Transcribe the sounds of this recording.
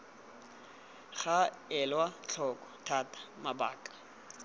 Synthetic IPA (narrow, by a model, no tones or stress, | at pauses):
χa | ɛlwat͡ɬʰɔkʼɔ̥tʰatʰʼḁmaba̰ːkʼḁ